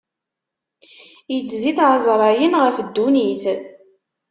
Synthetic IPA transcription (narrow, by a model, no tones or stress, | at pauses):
jət͡sːziθʕzˤɾˤɑjənʁəfd̪ːuniθ